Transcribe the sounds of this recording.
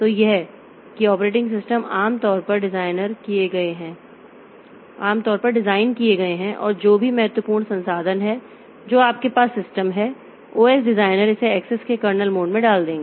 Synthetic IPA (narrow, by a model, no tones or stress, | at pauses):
t̪ojɛɦ | kiɔːpɾeːʈ̬ɪ̃ŋɡs̬ɪsʈəmaːmt̪ɔːɾpɐɾɖɪzaːɪnəɾkieɡɐeɦɛ̃ː | aːmt̪ɔːɾpɐɾɖɪzaːɪnkieɡɐeɦɛ̃ʔɔ̰ːɾd͡ʒoːbʱimɐɦɛt̪wəpuːɾɳ̃sɐ̃nsaːd̪ʱənɦɛ | d͡ʒoːaːp̚kepaːsːɪsʈəmɦɛ | oːɛːsɖɪzaːɪnəɾɪseɛːksɛskekɐɾnəlmoːɖmẽɖaːld̪ẽːŋɡeː